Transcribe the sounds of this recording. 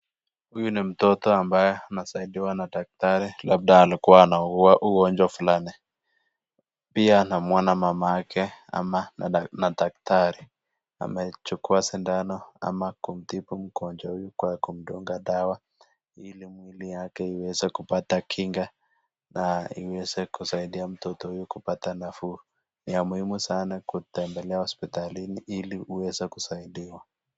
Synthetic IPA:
hujunim̩tɔtɔambajɛanasaiɗiwanadak̚taɾilab̚daːlikuwaːnauɣuaʔuɣɔnd͡ʒwafulani | piaːnamwanamamaakʰɛa̰manadaktaɾi | a̰mɛt͡ʃukuasindanɔa̰makum̩tipum̩kɔnd͡ʒahujukwakum̩dɔŋɡaɗawa | ilimwilijakɛiwɛzɛkupatakʰiŋɡa | naḭwɛzɛkusaiɗiam̩tɔtɔhujukupatanafu | niamuhimusanakutɛmbɛlɛahɔspitaliniʔiliuwɛzɛkusaiɗiwa

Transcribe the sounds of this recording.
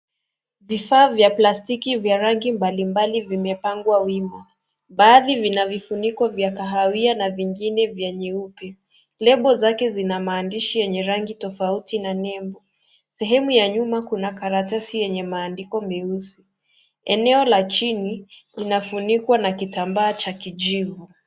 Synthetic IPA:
vifaːvjaplastikivjaɾaŋɡimbalimbalivimɛpaŋɡwawima | ɓaːðivinavifunikɔvjakaɦawianaviŋɡinɛvjɛɲɛupɛ | lɛɓɔzakɛzinamaːndiʃijɛɲɛɾaŋɡitɔfautinanɛmbɔ | sɛɦɛmujaɲumakunakaɾatasijɛɲɛmaːndikɔmɛusi | ɛnɛɔlat͡ʃinilinafunikwanakitambaːt͡ʃakid͡ʒivu

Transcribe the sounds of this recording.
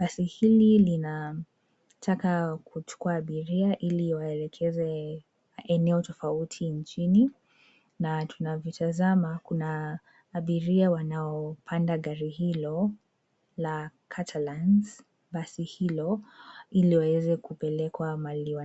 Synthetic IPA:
ɓasihililina | tʰakakut͡ʃu̥kuaːɓiɾiaʔiliwaɛlɛkʰɛzɛ | ɛnɛɔtɔfautʰint͡ʃini | natʰunavɔtʰazamakunaː | ɓiɾiawanaɔpʰandaɠaɾihilɔ | lakʰatʰalans | ɓasihilɔiliwawɛzɛkupɛlɛkwamaliwa

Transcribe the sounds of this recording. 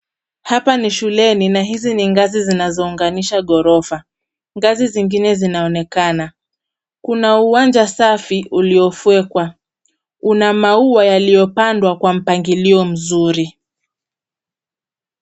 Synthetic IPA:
hapaniʃulɛninaɦiziniŋɡazizinazɔuŋɡaniʃaɠɔɾɔfa | ŋɡaziziŋɡinɛzinaɔnɛkana | kunauwand͡ʒasafiʔuliɔfuɛkwa | unamauajalijɔpandwakwam̩paŋɡiliɔm̩zuɾi

